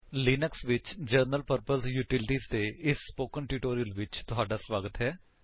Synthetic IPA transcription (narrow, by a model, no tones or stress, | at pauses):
liːnəksʋɪt͡ʃd͡ʒəɾnəlpəɾpəlsjuːʈɪlʈiːzt̪eːɪsːpoːkənʈuʈoːɾijəlʋɪt͡ʃt̪ʊɦaːɖaːsʋaːɡət̪ɦɛː